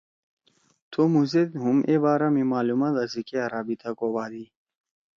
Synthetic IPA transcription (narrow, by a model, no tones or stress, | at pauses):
t̪ʰomuzed̪ɦumʔebaːɾamimaːlumad̪ɐzikeaɾaːbit̪ʰakobaːd̪i